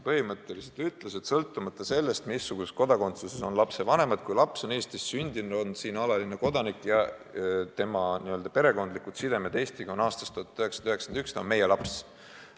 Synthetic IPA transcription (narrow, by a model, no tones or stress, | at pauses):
pɤhimɤt̪ːˑe̞lised̪yt̪ːˑlesed̪̥sɤlt̪ːˑumɑt̪ːˑɑse̞lːe̞st̪misːuɡ̥uset̪̚ko̞d̪ɑko̞nt̪suseso̞nlɑpse̞vɑne̞mɑd̪̥̚kujlɑpso̞ne̞ːst̪isːynʲd̪̥inud̪̥o̞nsiːnɑlɑline̞ko̞d̪ɑnikːˑjɑ | t̪e̞mɑniø̞ld̪̥ɑpe̞ɾe̞ko̞nd̪likːˑud̪sid̪e̞med̪e̞ːst̪iɡ̥ɑonɑːst̪ɑst̪uhɑt̪ːyhɦeksɑnd̪yɦeksɑnd̪ɑykst̪onme̞je̞lɑps